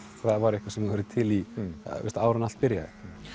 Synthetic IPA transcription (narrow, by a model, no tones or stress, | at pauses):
θaðvaɾɪhkvasɛmɛhœɾðɪt̪ʰɪliɛ̰st̪aːwɾanal̥pɪɾja̰ðɪ̰